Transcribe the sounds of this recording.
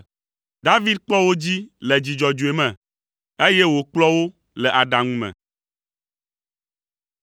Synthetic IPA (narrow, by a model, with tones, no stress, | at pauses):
d̪a˦vi˦d̪̚k͡pɔ˦wo˦d͡ʑi˦lɛ˨d͡ʑi˨d͡ʒɔ˨d͡ʒu˨e˨mɛ̃˨ | e˦jɛ˦wo˨k͡plɔ˦wo˦ | lɛ˨ʔa˨ɖa˨ŋũ˦mɛ̰̃˨